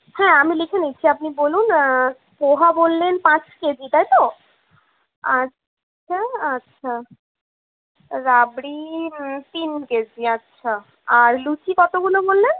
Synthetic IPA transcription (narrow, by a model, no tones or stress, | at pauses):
hɛ̃amilikʰenit͡ɕʰiapnibolun | poɦabolːenpãt͡ɕked͡ʑit̪ajt̪o | a | aatːɕʰa | ɾabɽit̪inked͡ʑiatːɕʰa | aɾlut͡ɕikɔt̪ʰoɡulobolːen